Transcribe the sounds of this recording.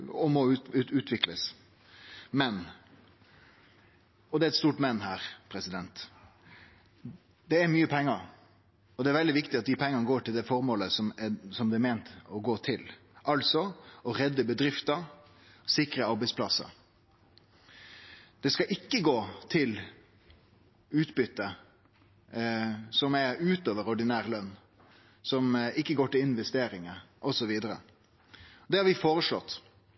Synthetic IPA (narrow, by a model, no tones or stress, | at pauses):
ɔmɔʉʉːt̪ʋɪkləs | mɛn | ɔd̪ɛæɾɛt̪st̪uːʈmɛnːɦæːɾpʰɾɛsɪd̪ɛnt̪ | d̪ɛæɾmyːəpʰɛŋːɑ | ɔd̪ɛæɾʋɛld̪ɪʋɪkt̪ɪɑt̪̚d̪ɪpʰɛŋːɑnəɡoːʈɪld̪ɛfɔɾmoːləsɔmɛsɔmd̪ɛmeːnt̪ɔɡoːt̪ʰɪl | ʔɑlsɔɔɾɛd̪ːəbəd̪ɾɪft̪ɑ | sɪkɾəɑɾbæɪspʰlɑsːɑ̰ | d̪̥ɛskɑʔɪkːəɡoːt̪ʰɪl | ʉːt̪bʏt̪ːə | sɔmɛʉːt̪oːʋəɾɔɖɪnæːɾlœnː | sɔmɪkːəɡoːʈɪlɪnʋɛst̪eːɾɪŋəʔɔsɔʋiːd̪əɾə̰ | d̪ɛhɑɾʋɪfoːɾəʂlɔt̪ː